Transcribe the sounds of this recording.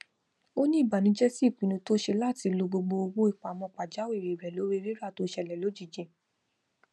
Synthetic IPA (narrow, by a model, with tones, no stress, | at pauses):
o˦nĩ˦i˦˨ba˨nĩ˨˦d͡ʒɛ˦si˦˨k͡pĩ˨˦nũ˧to˦ʃe˧la˦˨ti˧lo˧ɡ͡bo˧ɡ͡bo˧o˧wo˦i˦˨k͡pa˨mɔ̃˧˨k͡pa˨d͡ʒa˨˦wi˦˨ɾe˨i˨ɾɛ˨lo˨˦ɾe˦˧ɾi˦ɾa˦˨to˨˦ʃɛ˧˨lɛ˨lo˨˦d͡ʒi˦˨d͡ʒẽ˨